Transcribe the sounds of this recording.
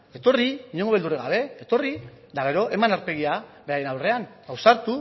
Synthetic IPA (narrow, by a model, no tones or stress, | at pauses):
e̞t̪o̞riiɲe̞ŋɡoe̞ld̪ureɣɡa̰βe̞ːt̪o̞rid̪aɣ̞e̞ɾo̞ʔe̞manaɾpe̞ɣ̞iabe̞ɾaje̞nawre̞aŋawsaɾt̪u